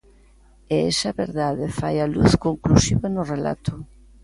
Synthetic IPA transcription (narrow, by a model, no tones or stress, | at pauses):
eesɐβeɾðaðefajaluθkoŋklusiβanorela̰t̪ʊ